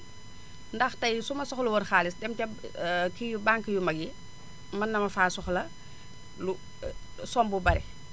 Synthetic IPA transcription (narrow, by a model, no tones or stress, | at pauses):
ndɐxtɐjsumɐsɔxluwɔnxaːlisdɛmtɛkijubaŋkəjumɐɡi | mɐnːɐmɐfaːsɔxlɐ | lu | sɔmbubɐɾɛ̰